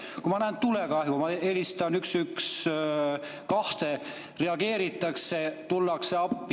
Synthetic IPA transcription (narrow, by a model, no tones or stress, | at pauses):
kumɑnæːnt̪ulekɑhjumɑe̞list̪ɑnyksyks | kɑht̪e̞ | re̞ɑɡe̞ːɾit̪ːˑɑkse̞t̪ulːɑkseɑpːˑi